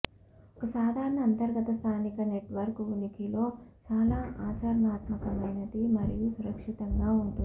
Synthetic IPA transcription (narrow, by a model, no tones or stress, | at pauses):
ɔkɐsaːd̪ʱaːɾɐɳɐːnt̪ɐɾɡɐt̪ɐst̪ʰaːnikɐne̞ʈʋɐɾkunikilo̞ːt͡ʃaːlaːʔaːt͡ʃaɾɐɳaːt̪mɐkɐmɐjnɐd̪imɐɾijusuɾɐkʂit̪ɐŋɡaːuɳʈun